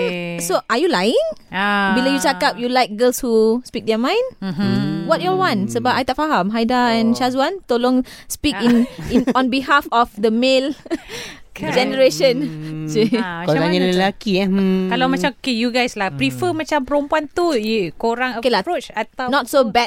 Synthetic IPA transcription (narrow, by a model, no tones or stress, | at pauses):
soʔajulajɪ̃ŋbilojut͡ʃakap̚julajk̚ɡəlshuspik̚dɛmãj̃n | wɔt̚jɔwãnsəbap̚ajt̪afaɦãmɦajdaɛ̃nʃazuwãnt̪olõŋspikĩnnɔ̃nbiɦafɔfd̪əmel | d͡ʒɛnəɹeʃə̃nsikolaɲaləlakiakalawmat͡ʃakejuɡajslapɾifəmat͡ʃampəɾõmpuant̪uikoɾaŋəkelaot͡ʃat̪anɔt̚sobɛ